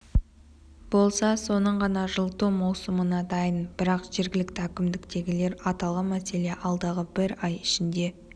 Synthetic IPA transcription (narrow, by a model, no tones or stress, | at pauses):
b̥o̞lˠsɑso̞nəɴʁɑnɑʒəlˠt̪umɑwsəmənɑd̪ɑjənb̥ɪɾɑqʒe̞ɾɡʲɪlɪkt̪ɪækʲɪmd̪ɪkt̪e̞ɡʲɪle̞ɾɑt̪ɑlˠʁəmæse̞leʔɑlˠd̪ɑʁəbɪɾɑjɪʃɪnd̪e̞